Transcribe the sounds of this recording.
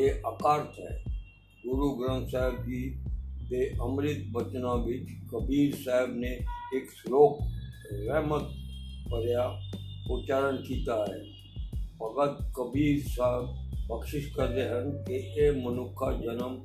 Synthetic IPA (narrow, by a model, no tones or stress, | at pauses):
eʔəkaːɾt̪ɦɛ̰ː | ɡʊɾuɡɾə̃nsaɦəb̚kibeːʔəmɾɪt̪bət͡ʃnaʋɪt͡ʃkəbʱiːɾsaɦəbneeːksloːk | ɾɛːmət̪̚kəɾjaot͡ʃaːɾənkiːt̪aɦɛ | pɐɡət̪kəbʱiːɾsaɦəbbəkʃɪʃkəɾd̪eɦənkeemənʊkʰːad͡ʒənəm